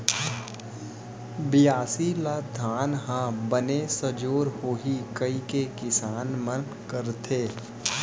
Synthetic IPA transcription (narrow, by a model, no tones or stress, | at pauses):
bɪjaːsilaːd̪ʱaːnɦãbənesəd͡ʒoːɾhoːɦikəikekɪsaːnmən | kəɾt̪ʰeː